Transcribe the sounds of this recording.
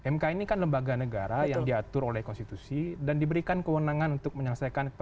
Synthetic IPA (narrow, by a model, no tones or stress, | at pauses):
ɛmkainikanləmbaɡanəɡaɾajaŋdiat̪ʊɾolɛhkɔnst̪it̪usidandibəɾikankəwənaŋanunt̪ʊk̚məɲələsajkant